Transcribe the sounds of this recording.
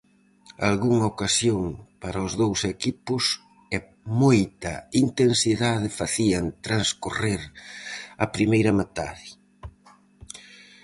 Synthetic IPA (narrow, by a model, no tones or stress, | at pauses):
a̰lɣuŋɐokasjoŋpaɾɐʊzðowsekipʊs | ɛ | mojt̪ɐint̪ensiðaðɪfaθiɐnt̪ɾanskureɾ | ɐpɾimejɾɐmat̪a̰ði